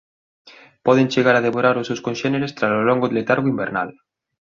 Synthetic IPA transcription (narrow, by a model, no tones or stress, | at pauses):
pɔð̞enʲt͡ʃeɣ̞aɾaðeβoɾaɾosewskonʃeneɾest̪ɾasoloŋɡoðelet̪aɾɣoimbeɾna̰l